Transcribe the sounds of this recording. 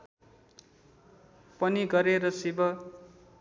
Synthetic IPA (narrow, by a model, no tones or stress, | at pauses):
pʌniɡʌɾeɾʌsibʌ